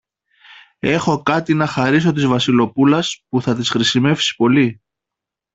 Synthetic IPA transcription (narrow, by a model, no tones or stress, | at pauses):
e̞xo̞kɐt̪inɐxɐɾis̬o̞t̪̬izvɐsilo̞pulɐspuθɐt̪isxɾisime̞fsi̥po̞li